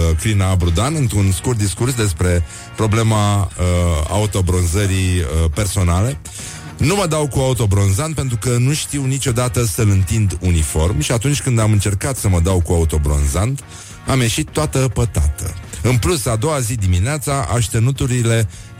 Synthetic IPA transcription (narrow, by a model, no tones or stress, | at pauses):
klinabɾud̪anɨnt̪ɾunskurt̪d̪iskursd̪e̞spɾe̞ | pɾo̞ble̞maəa̰ut̪o̞bɾo̞nzəɾiəpe̞rso̞nale̞ | numəd̪awkuaut̪o̞bɾo̞nzant̪̚pe̞nt̪ɾukənuʃt̪iwnit͡ʃo̞d̪at̪əsəlɨnt̪ind̪unifo̞rmʃiat̪unt͡ʃʲkɨnd̪amɨnt͡ʃe̞rkat̪səməd̪awkuaut̪o̞bɾo̞̰nzand̪ | amje̞ʃit̪ːoat̪əpət̪a̰t̪ə̰ɨnplusad̪o̞wazid̪imineat̪saʔaʃt̪e̞nut̪uɾile̞